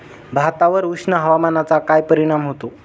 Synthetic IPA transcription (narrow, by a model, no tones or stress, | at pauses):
bʱat̪aʋəɾʋukʂɳəɦəʋamanat͡sakajpəɾiɽ̃amɦot̪o